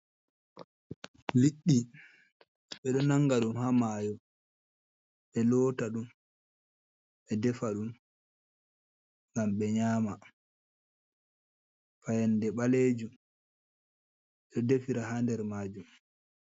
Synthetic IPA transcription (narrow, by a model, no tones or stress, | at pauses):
liɗːi | ɓɛɗɔnaŋɡaɗumhamaːjɔ | ɓɛlɔːtaɗum | ɓɛdɛfaɗum | ŋɡamɓɛɲaːma | fajandɛɓaleːd͡ʒum | ɛɗɔdefiɾahandɛɾmaːd͡ʒum